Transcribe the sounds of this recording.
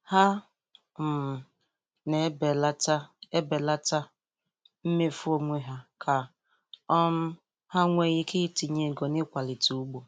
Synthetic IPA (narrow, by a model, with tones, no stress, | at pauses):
ha˦ | m̩˨m˨ | ne˨˦be˨la˦ta˦e˦be˨la˦ta˦ | m̩˦me˦fʊ˦o˨ŋʷe˦ɦa˦kʰa˨ | ɔ˦m̩˦ | ha˦ŋʷe˦ɣɪ˦kɪ˦ti˨ɲe˨ɡɔ˨nɪ˦kʷa˨lɪ˨tu˨u˦ɡ͡bo˨